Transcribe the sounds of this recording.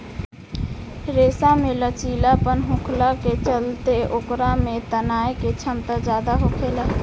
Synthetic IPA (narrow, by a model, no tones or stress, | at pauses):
ɾeːsamelət͡ʃiːlapənɦũkʰlaket͡ʃəlt̪eokɾamet̪ənaːeket͡ʃʰəmt̪ad͡ʒaːd̪aɦokʰela